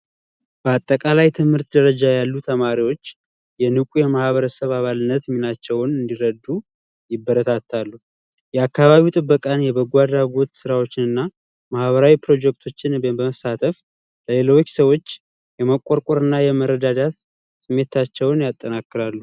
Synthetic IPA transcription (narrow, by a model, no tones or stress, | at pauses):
b̥əat̪ʼːəkʼalajt̪ʰɨmhɨɾt̪d̪əɾəd͡ʒajalːut̪ʰəmaɾiwo̞t͡ʃː | jɛnɨkʼujɛmahβəɾəsəβaβalɨnːət̪minat͡ʃːɛwnɨnd̪iɾəd̪ːu | jɪbːəɾət̪ʰat̪ʰːalːu | jɛakːaβaβiwt̪ʼɨbːəkʼanjɛbəɡʷad̪aɡo̞t̪sɨɾawo̞t͡ʃːɪnɨnːa | mahβəɾawipɾo̞d͡ʒɛk̚t̪ʰo̞t͡ʃːɪnbəməsat̪ʰʼəf | ləle̞lo̞t͡ʃːsəwo̞t͡ʃː | jɛməkʷʼoɾkʼoɾɨnːajɛməɾəd̪ad̪at̪ | sɨmːe̞t̪ʰat͡ʃːɛwnjat̪ʼːənakːɨɾalːu